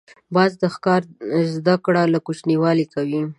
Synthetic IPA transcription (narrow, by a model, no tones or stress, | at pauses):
bɑzd̪əxkɑɾzd̪akɽalakut͡ʃniwɑlikawi